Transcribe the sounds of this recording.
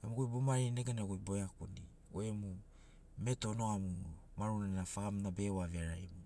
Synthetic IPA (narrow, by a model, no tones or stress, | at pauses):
emuɡojbomaɾineɡenaɡojboakoni | oemu | meto̞noamuu | maɾunanafaamnabe̞waveaɾajmu